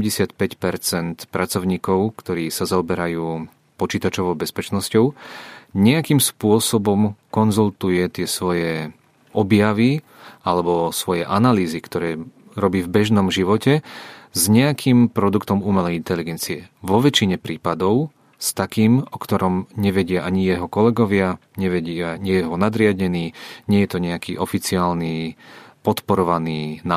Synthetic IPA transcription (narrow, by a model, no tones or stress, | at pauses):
mɟɛsɪat̪pɛcpɛɾt͡sɛnt̪pɾat͡sɔʊɲiːkɔʊkt̪ɔɾiːsazaɔbɛɾajuː | pɔt͡ʃiːt̪at͡ʃɔʋɔʊbɛspɛt͡ʃnɔscɔʊɲɛakiːmspʊɔsɔbɔmkɔnzult̪ujɛt̪ɪɛsʋɔjɛ | ɔbjaʋi | alɛbɔsʋɔjɛʔanaliːzikt̪ɔɾɛː | ɾɔbiːvbɛʒnɔmʒiʋɔcɛzɲɛakʰiːmpɾɔd̪ukt̪ɔmuːmɛlɛint̪ɛliɡɛnt͡siɛʋɔʋɛt͡ʃiɲɛpɾiːpad̪ɔʊ | st̪akiːmɔkt̪ɔɾɔmɲɛʋɛɟɪaʔaɲijɛɦɔkɔlɛɡɔʋɪaɲɛʋɛɟɪaɲɛjɛɦɔnad̪ɾɪaɟɲɛniːɲɪɛjɛt̪ɔɲɛakiːʔɔfit͡siaːlniːpɔt̪pɔɾɔʋaniːna